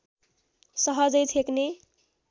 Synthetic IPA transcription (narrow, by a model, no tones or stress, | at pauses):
sʌɦʌd͡zʌjtʰekne